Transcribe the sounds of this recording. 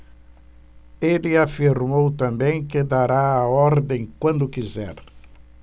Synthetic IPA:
elɪafiɾmowt̪ɐ̃mbẽj̃kɪd̪aɾaaɔɾd̪ẽj̃kwɐ̃nd̪ʊkizɛ̰ɾ

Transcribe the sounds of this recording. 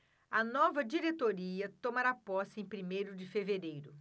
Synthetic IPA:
ɐnɔvɐd͡ʒiɾet̪oɾiɐt̪omaɾapɔsɪẽj̃pɾimejɾʊd͡ʒɪfeveɾejɾʊ

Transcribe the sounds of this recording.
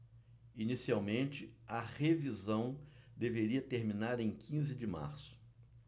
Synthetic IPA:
inisiawmẽnt͡ʃɪɐʁevizɐ̃w̃d̪eveɾiɐt̪eɾmĩnaɾẽj̃kʰĩzɪd͡ʒɪma̰ɾsʊ̥

